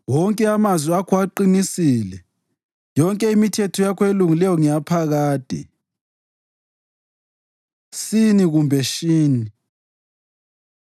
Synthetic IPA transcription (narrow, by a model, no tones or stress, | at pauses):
wɔŋkʼɛamazwiakʰuwaǃinisilɛ | jɔŋkʼɛimitʰɛtʰɔjakʰɔeluŋilɛjɔŋijapʰaɣaːd̥ʱɛ̰ | siniɣumbʱɛʃiːni